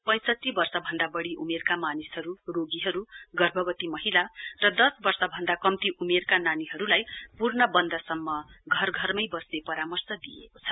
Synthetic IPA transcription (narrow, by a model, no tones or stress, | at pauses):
pʌ̃j̃sʌtːibʌrsʌbʱʌnd̪abʌɽiʔumerkamanisɦʌɾuroɡiɦʌɾuɡʌrbʱʌbʌt̪imʌɦilarʌd̪ʌsbʌrsʌbʱʌnd̪akʌmt̪iʔumerkananiɦʌɾulajpurnʌbʌnd̪ʌsʌmːʌɡʱʌrɡʱʌrmʌjbʌsnepʌɾamʌrsʌd̪ḭjḛkot͡sʰʌ